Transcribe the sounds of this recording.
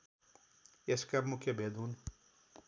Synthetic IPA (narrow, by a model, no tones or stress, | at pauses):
eskabmukebed̪un